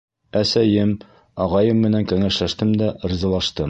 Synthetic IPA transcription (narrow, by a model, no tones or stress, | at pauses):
æsæjɘm | ɒʁɑjɤmːɘ̆næŋkæŋæʃlæʃt̪ɘmd̪æʔ̆ɾzɑlˠɑʃt̪ɤm